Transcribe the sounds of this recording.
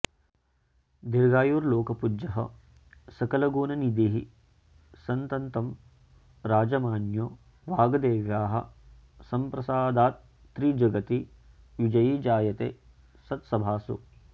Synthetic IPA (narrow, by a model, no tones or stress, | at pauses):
d̪iɾɡaːjuːɾloːkɐpud͡ʒɐɦɐ̰ | sɐkɐlɐɡuːnɐnid̪iɦi | sɐnt̪ɐnt̪ɐm | ɾaːd͡ʒɐmaːnjoː | ʋaːɡɐd̪eːʋjaːɦɐ̰̆ | sɐmpɾɐsaːd̪aːt̪̚ː | ɾiːd͡ʒɐɡɐt̪i | ʋid͡ʒɐjid͡ʒaːjɐt̪ḛː | sɐt̪sɐbʱaːsṵ